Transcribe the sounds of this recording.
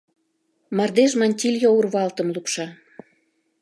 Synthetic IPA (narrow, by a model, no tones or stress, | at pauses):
mɑrd̪eʒmɑnʲt̪ʲilʲjourβɑlt̪ə̆mlupʃɑ